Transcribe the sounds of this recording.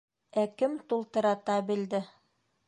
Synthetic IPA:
ækɘmt̪ulˠt̪ɤ̆ɾɑt̪ɑbild̪ɘ

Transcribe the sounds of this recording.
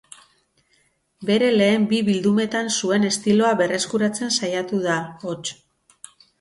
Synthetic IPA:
be̞ɾe̞le̞ːmbiβild̪ume̞t̪ansue̞ne̞st̪ilo̞aβe̞re̞skuɾat͡se̞nsajat̪uð̞aot͡ʃ

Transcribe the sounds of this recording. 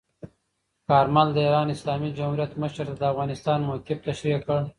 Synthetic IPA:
kɑːɾmald̪əiɾɑːnɪslɑːmid͡ʒamhuɾjat̪məʃəɾt̪ad̪əafɣɑnɪst̪ɑːnmokɪft̪aʃɾikəɽ

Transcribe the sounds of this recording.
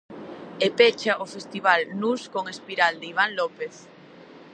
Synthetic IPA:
epet͡ʃaʔofest̪iβ̞alnuskoŋespiɾald̪eiβ̞aŋlɔpeθ

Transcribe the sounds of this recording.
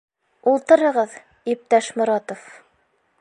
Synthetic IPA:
ulˠt̪ɤ̆ɾɤ̆ʁɤð | ip̚t̪æʃmŏɾɑt̪of

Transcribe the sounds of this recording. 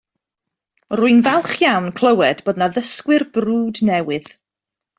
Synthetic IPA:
rʊɨnvɛlˠχjawnkʰl̥ˠəwɛdboːdnaðəskwɨrbruːdnɛwɨð̥

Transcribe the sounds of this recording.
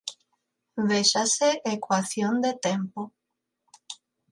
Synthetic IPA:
βeʃaseʔekwaθjond̪et̪empo

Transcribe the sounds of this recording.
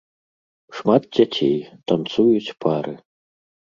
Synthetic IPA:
ʂmat̪̚d͡zʲat͡sʲejt̪ant̪sujut͡sʲpʰaɾɨ

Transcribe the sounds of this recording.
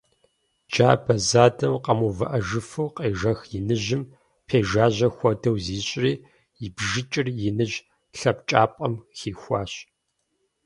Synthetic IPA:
d͡ʒaːbɐzaːdɐmqɐmuvɐʔɐʒɨfɨwqʼeːʒɐxjɪnɨʑɪm | pʰeːʒaːʑɐxʷɔdɐwziːɕʼriː | jɪbʒɪt͡ʃʼɪrjɪnɨʒ | ɬɐpt͡ʃʼaːpʼɐmxiːxʷɑːɕ

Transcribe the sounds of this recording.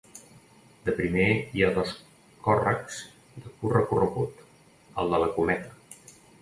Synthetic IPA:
d̪əpɾimeiaðos | kɔrəkz̥ | d̪əkurəkurəɣut̪ | əlˠd̪ələkumɛt̪ə

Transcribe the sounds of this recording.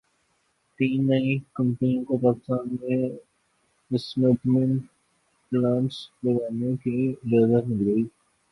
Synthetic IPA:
t̪iːnːɐĩkə̃mpniõkopaːkɪ̥st̪aːnmẽ | ɪsmeʈmẽɳʈ | plãːɳʈsləɡaːnekizaːzət̪mɪlɡəiː

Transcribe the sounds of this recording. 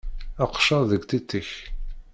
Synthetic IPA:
əqʃɑðəɡʷt̪it̪ːəç

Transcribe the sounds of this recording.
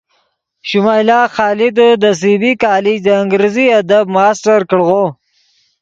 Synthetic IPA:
ʃʊmaːjlɑːxɑːlɪd̪od̪əs̬ibikɑːlɪd͡ʒd̪əɪŋɡɾeziad̪ab̚mɑːsʈaɾkəɽɣo

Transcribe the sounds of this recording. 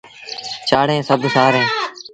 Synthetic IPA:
t͡ʃaːɽẽːsəbsaːɾẽː

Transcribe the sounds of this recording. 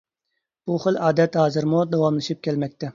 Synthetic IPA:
b̥uχɨlɑːd̪ɛt̪hɑːzɨɾmud̪ɑwɑmlˠɨʃip̚kʲʰɛlmɛk̚ʲt̪ɛ

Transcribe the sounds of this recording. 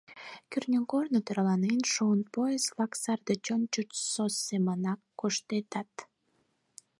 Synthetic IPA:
kʲyrnʲəŋkornot̪eɾɑlɑnenʃoənpoeslɑksɑrd̪et͡ɕont͡ɕut͡ʃsosːemənɑkːoʃt̪et̪ɑt̪

